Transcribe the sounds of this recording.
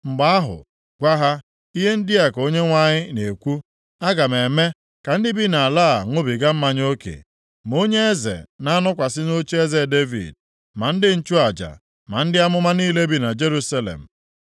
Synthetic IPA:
ŋ͡m̩˨ɡ͡ba˦a˦ɦʊ̰˨ | ɡʷa˦ɦa˦ | i˦ɦe˦n̩˦dɪ˦a˨ko˦ɲe˦ŋʷa˦ɲɪ˦ne˨kʷu˦ | a˦ɡa˨me˨me˦ | ka˨n̩˦dɪ˦bi˦na˨a˨laː˦˨ŋʷʊ˦bi˨ɡa˦m̩˦ma˦ɲ˦o˦kḛ˨ | mo˦ɲe˦e˦zḛ˨na˦nʊ˦kʷa˨sɪ˦no˦t͡ʃe˦e˦ze˦˨de˦vḭ˨d̚ | ma˨n̩˦dɪ˦n̩˦t͡ʃu˦a˨d͡ʒa̰˨ | ma̰˨n̩˦dɪ˦a˦mʊ˦ma˦niː˦le˦bi˦na˨d͡ʒe˦ɾu˦sa˦lḛ˨m̩˨

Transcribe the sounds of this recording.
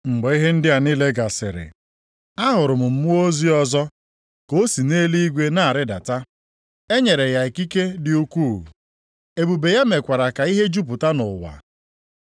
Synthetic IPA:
ŋ͡m̩˨ɡ͡bɔ˨i˦ɦe˦n̩˦dɪ˦a˨ni˦le˦ɡa˨sɪ̰˨ɾɪ̰˨ | a˦ɦʊ˨ɾʊ˨mʊ˨m̩˦mʊ˦o˦zi˦ɔ˦zɔ˦ | ko˦si˨ne˦li˦i˦ɡʷe˦na˦˨a˨ɾɪ˦da̰˨ta˦ | e˦ɲe˨ɾe˨ja˨e˨ki˦ke˦dɪ˨u˦kʷu˦˨ | e˦˨bu˨be˨ja˦me˨kʷa˨ɾa˨ka˨i˦ɦe˦d͡ʒu˦p̬ʊ˨ta˦nʊ˨wa̰˨

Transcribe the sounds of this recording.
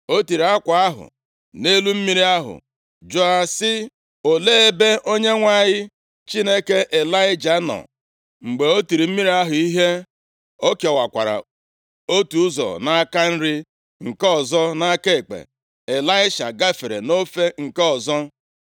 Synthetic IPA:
o˦ti˨ɾi˨˦a˦kʷa˨a˦ɦʊ̰˨ | ne˦lu˦m̩˦mi˦ɾi˦a˦ɦʊ̰˨ | d͡ʒo˦a˦sɪ˦ | o˨leː˦e˦be˦ʔo˦ɲe˦ŋʷa˦˨ɲɪ˦ | t͡ʃi˦ne˦ke˦ʔe˨la˦ɪ˦d͡ʒa˨nɔ̰˨ | ŋ͡m̩˨ɡ͡be˨o˦ti˨ɾi˨m̩˦mi˦ɾi˦a˦ɦʊ˨i˦ɦe˦ | o˦ke˨ɔ˨wa˨kʷa̰˨ɾa̰˨ | o˦tu˨ʊ˦zɔ̰˨na˦a˦ka˦n̩˦ɾi˦ | ŋ̩˨kɔ˨zɔ˦na˦ke˦e˨k͡pḛ˨ | e˨la˦ɪ˦ʃa̰˨ɡa˦fe˨ɾḛ˨no˦fe˦ŋ̩˨ke˦ɔ˨zɔ˦

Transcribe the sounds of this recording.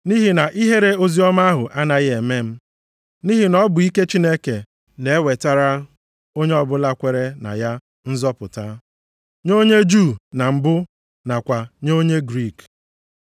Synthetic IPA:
ni˦ɦi˨na˨ʔi˦ɦe˦ɾe˦o˦zi˦ɔ˦ma˦ɦʊ˨ʔa˦na˨ɣe˨me˦m̩˦ | ni˦ɦi˨nɔ˦bʊ˨i˦ke˦t͡ʃi˦ne˦ke˨ | ne˨e˦we˨ta˦ɾa˦ | o˦ɲe˦ɔ˦bʊ˦la˦kʷe˨ɾe˦na̰˨ja˦ | n̩˦zɔ˦pʊ̰˨ta˦ | ɲo˦ɲe˦d͡ʒu˦˨na˨m̩˨bʊ˦ | na˨kʷa˨ɲo˦ɲe˦ɡɾi˦˨k

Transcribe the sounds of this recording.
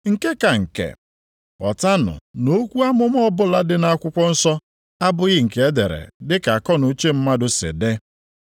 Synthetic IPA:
ŋ̩˨ke˦ka˨ŋ̩˨kḛ˨ | ɔ˨ta˦nʊ̰˨no˦kʷu˦a˦mʊ˦m˦ɔ˦bʊ˦la˦dɪ˦na˦kʷʊ˦kʷɔ˦n̩˦sɔ˦ | a˦bʊ˦ɣɪ˦ŋ̩˨ke˦de˨ɾḛ˨dɪ˦ka˨a˨kɔ˦nu˨˦t͡ʃe˦m̩˦ma˦dʊ˦sɪ̰˨de˦

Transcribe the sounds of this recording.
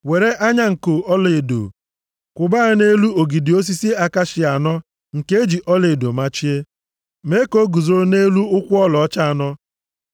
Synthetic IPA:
we˨ɾe˦ʔa˦ɲa˦ŋ̩˨ko˨ɔ˦le˨e˨do̰˨ | kʷʊ˨ba˦˨˦ne˦lu˦o˨ɡi˨dɪ˨o˦s̬i˦si˦a˦˨ka˦ʃɪ˨a˨nɔ˦ | ŋ̩˨ke˦e˦d͡ʒi˨ʔɔ˦le˨do˨ma˦t͡ʃi˦e˦ | me˦ko˦ɡu˨zo˨ɾʊ˦ne˦lu˦ʊ˦kʷʊ˦ɔ˦lɔ˨ɔ˦t͡ʃa˦˨a˨nɔ˦

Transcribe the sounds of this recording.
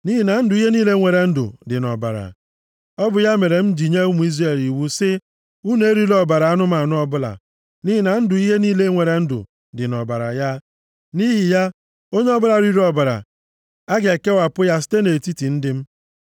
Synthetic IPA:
ni˦ɦi˨na˨n̩˦dʊ˨i˦ɦe˦niː˦le˦ŋʷe˨ɾe˨n̩˦dʊ̰˨dɪ˨nɔ̰˨ba̰˨ɾa̰˨ | ɔ˦bʊ˨ja˦me˨ɾe˨m̩˦d͡ʒi˨ɲe˦u˦mu˨i˦zre˨li˨wu˦sɪ˦ | u˦ne˦e˦ɾi˦ɾɔ˦ba˨ɾa˨a˦nʊ˦ma˨nʊ˦ɔ˦bʊ˦la̰˨ | ni˦ɦi˨na˨n̩˦dʊ˨i˦ɦe˦niː˦le˦ŋʷe˨ɾe˨n̩˦dʊ̰˨ | dɪ˨nɔ̰˨ba̰˨ɾa̰˨ja˦ | ni˦ɦi˨ja˦ | o˦ɲe˦ɔ˦bʊ˦la˨˦ɾi˦ɾɔ˨ba˨ɾa̰˨ | a˦ɡe˨ke˦wa˨pʊ˦ja˦s̬te˦ne˨ti˦ti˨n̩˦dɪ˦m̩˦

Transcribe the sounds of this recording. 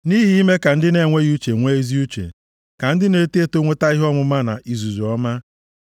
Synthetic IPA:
ni˦ɦi˦ɦi˦me˦ka˨n̩˦dɪ˦ne˨ŋʷe˦ɣu˦t͡ʃe˨ŋʷe˦i˦zi˦u˦t͡ʃḛ˨ | ka˨n̩˦dɪ˦ne˦te˦to˦ŋʷe˦ta˦i˦ɦɔ˦mʊ˦ma˦na̰˨ʔi˨zu˨zɔ˦ma˦

